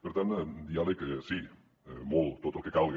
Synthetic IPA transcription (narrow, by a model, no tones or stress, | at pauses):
beɾt̪and̪ialeksi | molt̪ot̪okekalɣ